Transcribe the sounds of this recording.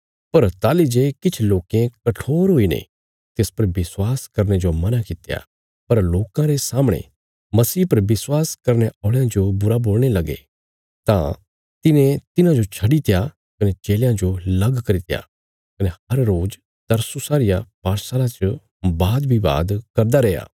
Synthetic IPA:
pɐɾt̪aːlid͡ʒeːkɪt͡ʃʰloːkẽkɐʈʰoːɾɦoinḛ | t̪eːspɐɾʋɪswaːskɐɾñed͡ʒomɐnakɪt̪ja̰ | pɐɾloːkãɾesaːməɽ̃ḛ | mɐsiːpɐɾʋɪswaːskɐɾneʔɔːɭejãd͡ʒobʊɾaboːɭ̃elɐɡḛ | t̪ã̰ | t̪ɪnẽt̪ɪnãd͡ʒot͡ʃʰɐɽit̪ɪja | kɐnɛt͡ʃeːljãd͡ʒolɐɡkɐɾit̪ɪja̰ | kɐnehɐɾːoːd͡ʒ | t̪ɐɾsusaːɾɪjapaːɾsaːlat͡ʃə | baːd̪bʱiba̰ːd̪kɐɾd̪aɾɛːja̰ː

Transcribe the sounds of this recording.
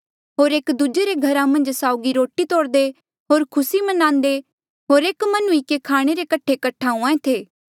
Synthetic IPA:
ɦoːɾeːkd̪ʊd͡ʒeɾeɡʱɐɾãmɐ̃nd͡ʒsaːʊɡiɾoːʈit̪oːɽd̪e | ɦoːɾkʰʊsimɐnãːnd̪e | ɦoːɾeːkmɐnũikekʰaːɽ̃eɾekɐʈʰekɐʈʰaːũãẽt̪ʰeː

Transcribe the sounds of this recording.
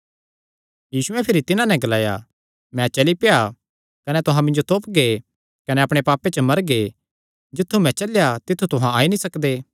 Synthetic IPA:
jiːsuɛ̃pʰɪɾit̪ɪnãnɛ̃ɡɐlaːja̰ | mɛ̃t͡ʃɐlipeja | kɐnɛt̪ʊɦãmɪ̃nd͡ʒot̪oːpɡe | kɐnɛɐpɽ̃epaːpːet͡ʃəmɐɾɡe | d͡ʒɪt̪ʰːumɛ̃t͡ʃɐljat̪ɪt̪ʰːut̪ʊɦãaːinĩsɐkd̪eː

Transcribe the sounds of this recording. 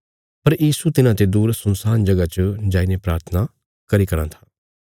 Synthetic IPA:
pɐɾjiːsut̪ɪnãːt̪ed̪uːɾsənsaːnd͡ʒɐɡat͡ʃd͡ʒaːinepɾaːɾt̪ʰəna | kɐɾikɐɾã̰t̪ʰḁː

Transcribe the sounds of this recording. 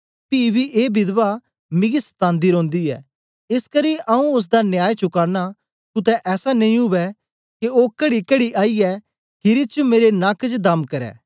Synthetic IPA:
piːbiʔeːbɪd̪ba | mɪ̃ɡisə̥t̪ãːnd̪iɾõːnd̪iɛ̰ː | ɪskɐɾiʔɐũʊs̬d̪anjaːet͡ʃʊkaːna | kʊt̪̬ɛʔɛːsanɐĩɦʊʋɛ | keoːkɐɽikɐɽiʔaːiɛ | ɦʰɪɾit͡ʃumeːɾenaːkd͡ʒd̪ɐmkɐɾɛ̰ː

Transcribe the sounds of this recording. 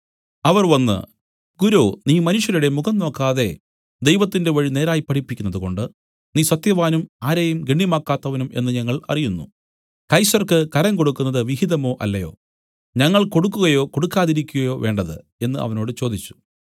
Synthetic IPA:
ɐʋɐrʋɐnːɨ̰ | ɡuɾoːniːmɐnuʂjɐɾuɽe̞muɡɐmno̞ːkːaːðe̞ | d̪e̞jʋɐt̪ːinde̞ʋɐɻine̞ːɾaːjipːɐʈʰipːikʲːunːɐðuko̞̰ɳɖɨ | niːsɐt̪jɐʋaːnumaːɾɐjumɡeɳːimaːkːaːt̪ːɐʋɐnumʔe̞̰nːɨɲɐŋːɐɭɐ̰rijunːṵ | kɐjsɐrkɨkɐɾɐŋko̞ɽukːunːɐðɨʋiɦiðɐmo̞ːʔɐlːɐjo̞̰ː | ɲɐŋːɐɭko̞ɽukːuɣɐjo̞ːko̞ɽukːaːðiɾikʲːuɣɐjo̞ːʋʔe̞ːɳɖɐðɨ̰ | e̞nːɨʔɐ̰ʋɐno̞ːɽɨt͡ɕo̞ːd̪it͡ɕːu̥

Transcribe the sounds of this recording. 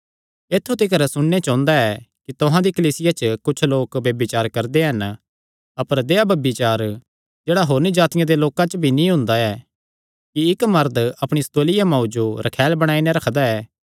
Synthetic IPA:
eːt̪ʰːut̪ikɐɾɛsʊɽ̃ːet͡ʃãːʊ̃nd̪aɛkit̪ʊɦãd̪ikɐliːsɪjat͡ʃəkʊt͡ʃʰloːkʋjɐbɪt͡ʃaːɾkɐɾd̪eɦɐn | ɐpəɾd̪eːabɐbɪt͡ʃaːɾ | d͡ʒeːɽaɦoːɾnid͡ʒaːt̪ɪjãd̪eloːkãt͡ʃbʱinĩɦʊ̃nd̪aɛː | kiɪkmɐɾd̪ɐpɽ̃ist̪oːlɪjamãːud͡ʒoɾɐkʰɛːlbɐɽ̃aːineɾɐkʰd̪aɛː

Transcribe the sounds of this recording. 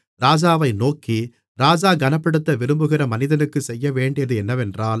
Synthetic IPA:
ɾaːd͡ʒaːʋɐɪnoːki | ɾaːd͡ʒaːɡɐnɐpːɪɽɯt̪ːɐʋɪɾɯmbɯɣɪɾɐmɐnɪðɐnɯkːɯsɛjːɐʋeːɳɖɪjɐðɯɛnːɐʋɛndraːl

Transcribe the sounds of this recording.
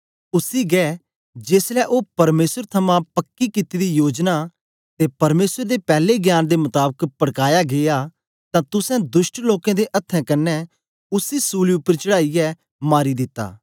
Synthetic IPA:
ʊsiɡɛː | d͡ʒeːslɛʔoːpɐɾmeːsəɾt̪ʰɐmãpɐkːikɪt̪id̪ijoːd͡ʒna | t̪epɐɾmeːsəɾd̪epɛːleɡjaːnd̪emʊt̪aːbəkpɐɽkaːjaɡea | t̪ãt̪ʊsɛ̃d̪ʊʃʈloːkãd̪eʔɐt̪ʰːɛ̃kɐnːɛ | ʊsisuːliʊpːəɾt͡ʃɐɽaːijɛ | maːɾid̪ɪt̪ːa̰ː

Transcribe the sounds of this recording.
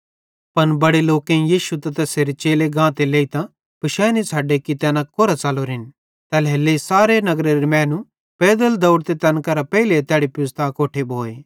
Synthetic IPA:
pɐnbɐɽeloːkẽjiːʃut̪ɐt̪ɛseːɾet͡ʃeːleɡãːt̪eleːit̪ã | pɪʃɛːnit͡sʰaːɖekit̪ɛːnãkoːɾat͡saːloɾɦɪn | t̪ɛːlɦeːlːesaːɾenɐɡɾeɾemɛ̃ːnũ | peːd̪əld̪ɐʊɽt̪et̪ɛnkɐɾapɛilet̪jaːɽipʊst̪ʰakoːʈʰebʱoːeː

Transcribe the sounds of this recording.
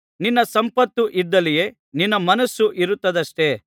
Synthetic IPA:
ninːɐsɐmpɐt̪ːuʔid̪ːɐlije | ninːɐmɐnɐsːuʔiɾut̪ːɐd̪ɐʂʈe̞ː

